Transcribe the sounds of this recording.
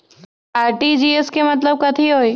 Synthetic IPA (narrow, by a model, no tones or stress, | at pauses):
aːɾʈid͡ʒieskemɐt̪ləb̚kɐt̪ʰiɦoːi